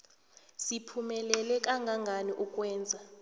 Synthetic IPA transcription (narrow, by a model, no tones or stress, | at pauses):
sipʰumɛlɛlɛkʼaŋɡʱaŋɡʱaniʔukʼwɛːnd͡zʱa